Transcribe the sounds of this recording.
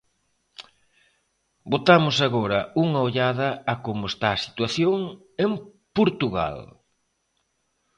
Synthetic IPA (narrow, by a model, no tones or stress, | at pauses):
bot̪amʊsaɣoɾɐuŋɐoʎaðɐːkomʊest̪aːsi̥t̪waθjoŋ | em | poɾt̪uɣa̰l